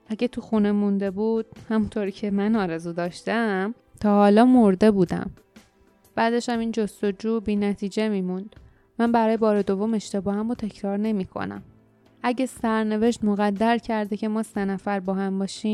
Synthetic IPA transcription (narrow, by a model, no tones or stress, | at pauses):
ʔæɟet̪ʰuxune̞mund̪e̞buːd̪̥̚hæmunt̪ʰoɾiːcʰe̞mænɒːɾe̞zud̪ɒːʃt̪æm | t̪ʰɒːhɒːlɒːmo̞ɾd̪e̞buːd̪æ̰m | b̥æːd̪e̞ʃæmiːnd͡ʒo̞st̪o̞d͡ʒuːbiːnæt̪ʰiːd͡ʒe̞miːmund̪̥ | mænbæɾɒːjebɒːɾe̞d̪o̞vo̞me̞ʃt̪e̞bɒːhæmot̪ʰe̞cʰɾɒːɾne̞miːkʰo̰næ̰m | ʔæɟesæɾne̞ve̞ʃt̪moɣæd̪ːæɾcʰæɾd̪ecʰe̞mɒːsenæfæɾbɒːhæmbɒːʃiːm